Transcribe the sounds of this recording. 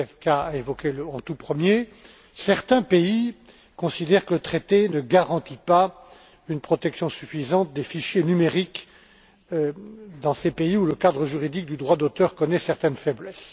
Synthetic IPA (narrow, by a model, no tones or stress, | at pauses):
ɛvkaaevɔkʲelɑ̃t̪upχəmje | sɛʁt̪ɛ̃pei | kɔ̃sid̪ɛʁkələt̪χet̪enəɡaʁɑ̃t̪ipa | ynpχɔt̪ɛksjɔ̃syfizɑ̃t̪̚d̪efiʃjenymeʁik | d̪ɑ̃sepeiuləkad̪ʁəʒyʁid̪ik̚d̪yd̪ʁwad̪ot̪œʁkɔnɛsɛʁt̪ɛnfɛblɛs